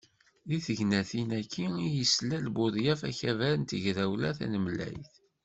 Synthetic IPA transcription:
ðiθəʝnæθinækʰːiijəslælbʊðjæfæ̰çævæɾənt̪əʝɾæwlæθæ̰nəmlæ̰jθ

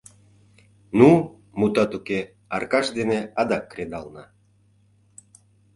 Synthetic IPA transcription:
nu | mut̪ɑt̪uke | ɑrkɑʃd̪eneɑd̪ɑkːred̪ɑlnɑ

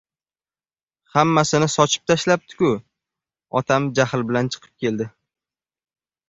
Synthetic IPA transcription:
hamːasɪnɪsɒt͡ʃʰɪ̥p̚t̪ʰaʃlap̚t̪ʰɪ̥kʊ | ɒ̰t̪ʰamd͡ʒahlbɪlant͡ʃʰɨ̥qʰɨ̥p̚kʲe̞ld̪ɪ

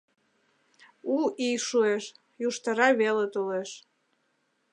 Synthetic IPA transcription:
uijʃueʃ | juʃt̪əɾɑβelet̪oleʃ

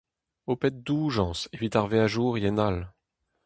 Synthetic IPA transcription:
opɛt̪̚d̪uːʒɑ̃ːsevit̪aʁveaʒuːʁjɛnal

